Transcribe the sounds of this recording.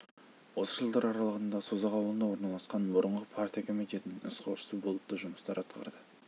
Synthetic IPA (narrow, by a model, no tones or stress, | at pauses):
wo̞səʒəlˠd̪ɑɾɑɾɑlˠəʁənd̪ɑsozɑqɑw̪ˠlˠənd̪ɑwo̞ɾnɑlˠɑsqɑnbʊɾəɴʁəpʰart̪ʲijakʰo̞mit̪e̞t̪ɪnɪŋɪsqʰoʃə̥səbolˠət̪ːəʒʊməst̪ɑɾɑt̪qʰɑ̰ɾd̪ə